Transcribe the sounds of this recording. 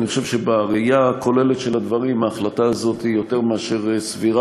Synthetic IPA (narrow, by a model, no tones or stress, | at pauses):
niχoʃevʃebaʁeijaːkʰo̞le̞let̪ʃe̞lad̪vaʁimaːχlataːzo̞t̪hijo̞te̞ʁmeaʃe̞ʁsviʁa